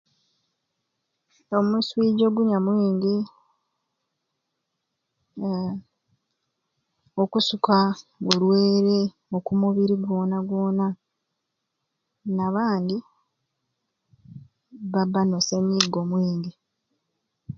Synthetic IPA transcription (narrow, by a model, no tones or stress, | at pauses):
o̞muːsiwiːɟo̞ɡuɲamwiːndi | okusukaɡolweːɾe | okumuβiɾiɡwo̞ːnaɡwo̞ːna | naβaːndi | βabːanosenːiɡo̞mwiːndi